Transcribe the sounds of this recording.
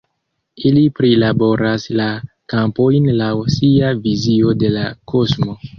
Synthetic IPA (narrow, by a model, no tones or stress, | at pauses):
ilipɾilabo̞ɾasla | kampo̞jnlawsiavizio̞de̞lakʰo̞smo̞